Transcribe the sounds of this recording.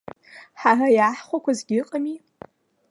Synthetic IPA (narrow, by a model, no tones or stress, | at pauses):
ħarajaːħχʷakʷʰazɡʲɪqʼami